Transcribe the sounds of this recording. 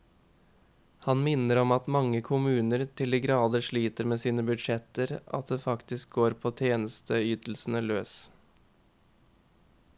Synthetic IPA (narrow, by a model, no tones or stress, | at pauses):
hɑnmɪnəɾɔmɑt̪mɑŋːəkʰʊmʉːnəɾt̪ʰɪliːɡɾɑːd̪əʂɭiːt̪əɾmeːsiːnəbʉd̪ʂɛt̪əɾɑ̰t̪̚d̪eːfɑkt̪ɪsk̚ɡoːɾpʰoːt̪ʰjeːnəst̪ʰəyːt̪l̩sn̩əløːs